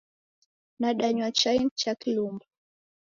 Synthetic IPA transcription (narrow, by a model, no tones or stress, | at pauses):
naɗaɲwat͡ʃajnt͡ʃakilumba